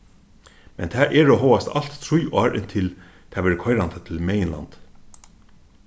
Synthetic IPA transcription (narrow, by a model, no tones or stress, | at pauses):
mɛnt̪ʰɛːʔɛɹoːɦɔwast̪al̥t̪t̪ʰɾujɑːɾɪnt̪ʰɪl | t̪ʰaːʋɛːɾəkʰɔjɾand̪at̪ʰɪlmɛːjɪnla̰nt̪